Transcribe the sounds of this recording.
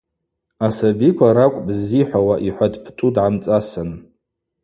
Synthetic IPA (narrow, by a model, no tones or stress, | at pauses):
asabikʷʰaɾakʷʼbziħʷawaʔiħʷadpʰtʰʷʼudʕamt͡sʼasɨn